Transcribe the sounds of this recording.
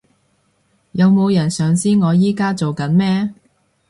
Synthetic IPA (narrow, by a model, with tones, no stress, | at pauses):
jɐ˨˧wmo˨˧wjɐ˨˩nsœː˨ŋsiː˥ŋɔː˨˧jiː˥kaː˥t͡so˨wkɐ˨˥nmɛː˥